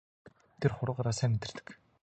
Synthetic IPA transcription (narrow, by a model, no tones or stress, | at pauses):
t̪ʰerχʊɾə̆ʁaɾaːsæːmet̪ɪ̆r̥t̪ɘ̥̆k